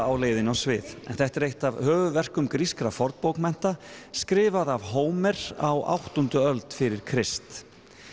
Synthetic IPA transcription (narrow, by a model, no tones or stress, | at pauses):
awleːjðɪnawsvɪðɛ̰nθɛht̪ɾejht̪avhœːvʏvɛr̥kʏmkɾiskɾafɔɾt̪powkmɛn̥t̪askɾɪːvaðavɦoːwmɛɾawa̰wht̪ɔnt̪ʏœlt̪fɪɾɪɾ̥kʰɾɪst̪